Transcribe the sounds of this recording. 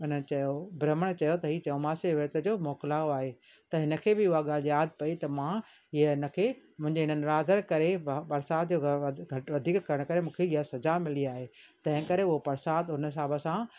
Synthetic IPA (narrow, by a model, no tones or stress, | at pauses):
ʊnət͡ɕɐjobɾəməɽ̃t͡ɕɐjot̪ɐɦiːt͡ɕɐomaːseʋɪɾt̪əd͡ʑoːmɔːkɪlaoaːɦe | t̪ɐɦɪnə̆kʰeːbɪʊɦaɠaːljaːd̪̚ʱpɐit̪ɐmã | ɦiəɦɪnə̆kʰeːmʊ̃ɦɪ̃ɲd͡ʑeɦɪn̤ənɪɾaːd̪ʱəɾkɐɾepɐɾsaːt̪̚ʰd͡ʑoːɡʱʋɐd̪ʱiːkkɐɾəɽ̃kɐɾemũːkʰeɪɦasɐzamɪliaːɦet̪ɐ̃ɦɪ̃kɐɾeʊɦopɐɾsaːt̪ɦʊnəs̬aːbəsã